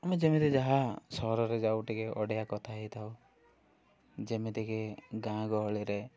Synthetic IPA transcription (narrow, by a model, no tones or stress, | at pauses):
amed͡ʒemit̪ed͡ʒaɦasɔɾɔɾed͡ʒawʈikeʔɔɽjakɔt̪ʰait̪ʰaw | d͡ʒemit̪ekeɡãɡɔɦɭiɾe